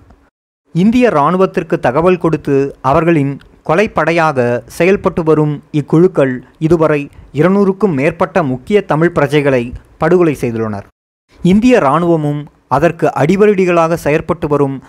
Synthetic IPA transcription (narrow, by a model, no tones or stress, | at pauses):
ɪnd̪ɪjɐɾaːɳɯʋɐt̪ːɪrkɯt̪ːɐɣɐʋɐlkɔɽɯt̪ːɯɐʋɐɾɣɐɭɪn | kɔlɐɪpːɐɽɐjaːɣɐsɛjɐlpɐʈːɯʋɐɾɯmɪkːʊɻɯkːɐɭɪðɯʋɐrɐɪɪɾɐnuːɾɯkːɯmːeːrpɐʈːɐmʊkːɪjɐt̪ɐmɪɻpɪɾɐt͡ʃɐɪɣɐɭɐɪ | pɐɽɯɣɯɭɐɪsɛjðɯɭːɐnɐ̰ɾ | ɪnd̪ɪjɐɾaːɳɯʋɐmɯm | ɐðɐrkɯʔɐɽɪʋɐɾɯɽɪɣɐɭaːɣɐsɛjɐlpɐʈːɯʋɐɾɯm